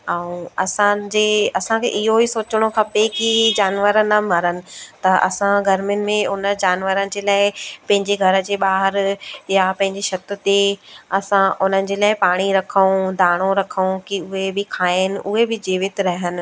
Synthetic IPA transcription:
ɛũɐsãd͡ʑeːɐsãkʰḛːʔɪɦoisoːt͡ɕəɽ̃okʰɐpekid͡ʑaːnʋəɾənɐmɐɾənɪ̆t̪ɐʔɐ̰sãɡʱɐɾmjʊnɪ̆mẽʊnə̆d͡ʑaːnʋəɾənɪ̆d͡ʑeːlaːɪpɐ̃ɦɪ̃ɲd͡ʑeɡʱɐɾə̆d͡ʑeːɓaːɦɪɾjapɐ̃ɦɪ̃ɲd͡ʑeʃɐt̪ʊt̪eɐsãʔʊnənɪ̆d͡ʑeːlaːɪpaːɽ̃iɾɐkʰəũd̪ʱaːɽ̃õɾɐkʰəũkiʊɦebɪkʰaːɪnɪ̆ʔʊɦebɪd͡ʑiːʋɪt̪ɾɐɦənɪ̆

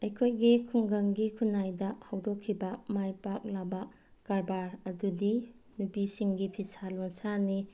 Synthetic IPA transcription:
ɐjkʰojɡikʰuŋɡɐŋɡikʰunajdɐhawdokʰːibɐmajpak̚labɐ | kaɾbaɾɐdudi | nupisiŋɡipʰisalonsani

